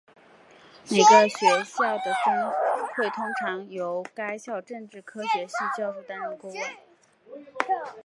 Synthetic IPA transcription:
ne˨˩ɡə˧ɕɥɛ˧˥ɕjɑ˥˩ʊd̪ə˩ʈ͡ʂɤ˥ŋ˥xwe˥˩ɪt̪ʰʊ˥ŋʈ͡ʂʰɑ˧˥ŋjo˧˥ʊka˥ɪɕjɑ˥˧ʊʈ͡ʂɤ˥˧ŋʈ͡ʂɻ̩˥˩kʰɤ˥ɕɥɛ˧˥ɕi˥˧t͡ɕjɑ˥˧ʊɻu˥˩t̪a˥nɻə˥˧nkʊ˥ŋə˥˩

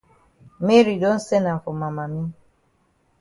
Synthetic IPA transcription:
me˦ɾi˨do˦n̩˦sɛ˦na˨fo˨ma˨ma˨mi˦

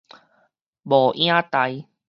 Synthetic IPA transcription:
bɔ˨˩ʔj̃ã˦t̪a˨˦j

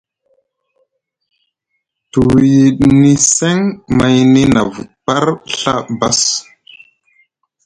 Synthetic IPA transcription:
tu˨wji˨ɗni˦se˦ŋma˦jni˦na˨vu˨tpa˦ɾɬa̰˦ba˦s

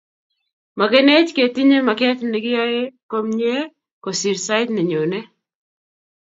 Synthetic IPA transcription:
ma˨ke˦ne˦t͡ʃke˨ti˦ɲe˦ma˨kɛ˦t̪nɪ˨ɡɪ˦jɔ˦e˦ko˦mɲe˦ | ko˨si˨ɾsa˦ɪ˦tnɛ˨ɲo˨ne˦

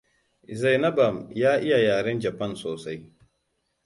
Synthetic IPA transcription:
ʔɪ˨za˨jnɐ˦ba˨mjaː˦ʔɪ˦ja˨jaː˨ɽɛ˦nd͡ʒɐ˨pɐ˦˨nsoː˨sa˦j

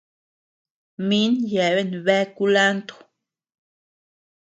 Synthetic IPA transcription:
mi˦njɛ˨βe˦˨nβɛ˦ku˦la˦nt̪o̥˨

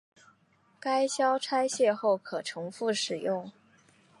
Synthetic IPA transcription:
ka˥ɪɕjɑ˥ʊʈ͡ʂʰa˥ɪɕjɛ˥˧xo˥˩ʊkʰɤ˨˩ʈ͡ʂʰɤ˧˥ŋfu˥˩ʂɻ̩˨˩jʊ˥˩ŋ

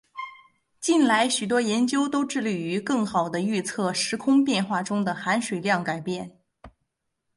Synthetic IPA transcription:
t͡ɕi˥˩nla˧˥ɪɕy˨˩t̪wɔ˥jɛ˧˥nt͡ɕjo˥ʊt̪o˥ʊʈ͡ʂɻ̩˥˧ly˥˩y˧˥kɤ˥˩ŋxɑ˨˩ʊd̪ə˦y˥˧t͡sʰɤ˥˩ʂɻ̩˧˥kʰʊ˥ŋpjɛ˥˧nxwa˥˩ʈ͡ʂʊ˥ŋd̪ə˨xa˧˥nʂwe˨˩ɪljɑ˥˩ŋka˨˩ɪpjɛ˥˩n

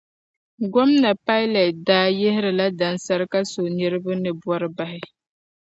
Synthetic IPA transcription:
ɡɔ˦mna˨pa˦ɪ˦lɛ˨t̚daː˦je˦hɪ˦ɾɨ˨la˦da˨nsa˦ɾɨ˦ka˦so˨nɛ˦ɾɨ˦bɨ˦nɨ˨bwɔ˦ɾɨ˦ba˨hɪ˦

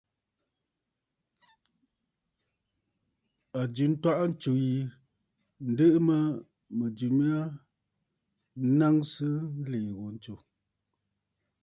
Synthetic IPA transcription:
a˨d͡ʒʉ˨n˦ta˦ʔa˦n̩˦t͡ʃo˨ji˨ | n̩˨˦də˦ʔɨ˦mə˦ | mə˨d͡ʒi˨mi˦a˦ | na˦ŋsɨ˦n̩˦leː˨ɣo˨n̩˦t͡ʃo˨

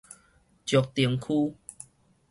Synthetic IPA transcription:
t͡ɕjɔ˨˩k̚t̪i˨˩əŋkʰu˦

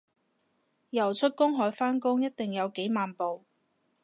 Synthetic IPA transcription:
jɐ˨˩wt͡ʃʰɵ˥t̚kʊ˥ŋɦɔː˨˥jfaː˥nkʊ˥ŋjɐ˥t̚t̪ɪ˨ŋjɐ˨˧wke˨˥jmaː˨npo˨w

